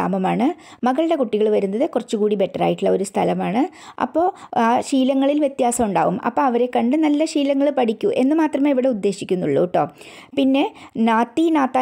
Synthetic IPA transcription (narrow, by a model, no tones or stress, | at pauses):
a̰ːmɐmaːɳɨ | mɐɣɐɭɨɽe̞kuʈːiɣɐɭʋɐɾunːɐðɨkurɐt͡ɕːukuːɽibe̞ʈːɐra̰ːjiʈːiɭːɐo̞ɾust̪ʰɐlɐmaːɳɨ | ʔɐ̰pːo̞ːaːɕiːlɐŋːɐɭilʋje̞t̪jaːsɐmuɳɖa̰ːʋumɐ̰pːo̞ːɐʋɐɾe̞kɐɳɖɨnɐlːɐɕiːlɐŋːɐɭpɐʈikʲːuʔe̞nːɨmaːt̪rɐmeːiʋiɽe̞ud̪ːe̞ːɕikʲːunːuɭːṵːʈːo̞ː | pinːe̞naːt̪ːinaːt̪ːa